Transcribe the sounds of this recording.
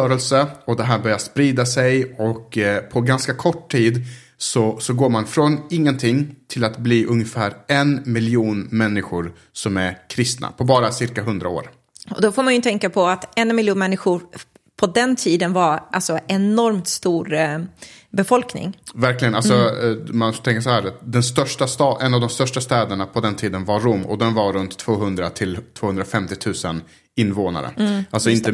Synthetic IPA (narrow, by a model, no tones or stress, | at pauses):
œːɾɛlsəɔd̪ɛɦæːɾbœɾjaspɾiːd̪asɛjɔkpʰɔɡanskakʰɔʈʰːiːd̪ | sɔsɔɡoːɾmanfɾɔnɪŋːənt̪ʰɪŋːt̪ʰɪlat̪bliːʔɵŋjəfæːɾɛnmɪljuːnmɛnːɪɧʊɾ | sɔmæɾkʰɾɪst̪na̰pʰɔbɑːɾasɪɾkaɦɵnd̪ɾa̰o̰ːɾ | ɔ̰d̪ɔfoːɾmanjɵt̪ʰɛŋkapʰɔat̪ɛnmɪljuːnmɛnːɪɧʊɾ | pʰɔd̪ɛnt̪ʰiːd̪ənvaɾalsɔɛnɔɾmt̪st̪uːɾ | bɛfɔlknɪ̰ŋvæɾklɪɡənalsɔmanfot̪ɛŋkas̬ɔɦæːɾd̪ɛnst̪œʂʈast̪ɑʔɛnːavd̪ɔmst̪œʂʈast̪ɛːd̪əɳapʰɔd̪ɛnt̪ʰiːd̪ənvaɾumːɔ̰d̪ɛnvaɾɵnt̪ʰːv̥oːɦɵnd̪ɾat̪ʰɪlt̪ʰːvoːhɵnd̪ɾafɛmt̪ɪt̪ʰʉ̟ːsən | ɪnːvoːna̰ɾə̰ʔalsɔɪnt̪ə